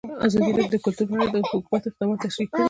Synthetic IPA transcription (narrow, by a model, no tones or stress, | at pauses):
azɑd̪ilɑd̪əkʊlt̪uɾpaɽad̪əhʊkumat̪ɪq̚d̪ɑmɑt̪ːaʃwikːəɽ